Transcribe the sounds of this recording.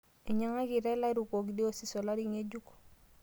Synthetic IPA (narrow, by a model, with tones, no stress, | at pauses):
e˨ɲa˦ŋa˦ki˨ɾɛ˦la˦ɾu˨ko˨kdi˦o˦si˦sɔ˨la˦ɾi˦ŋe˦d͡ʒu˦ko̥˨